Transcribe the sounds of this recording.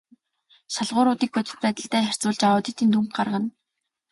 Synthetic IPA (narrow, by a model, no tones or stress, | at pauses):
ʃaɮʁʊːɾʊːt̪iːk̚pɵt̪ɘ̆t̪̚pæːt̪ə̆ɬt̪æːχær̥t͡sʊːɮt͡ɕaʊːt̪ĭt̪iːnt̪umk̚ɢarʁə̆n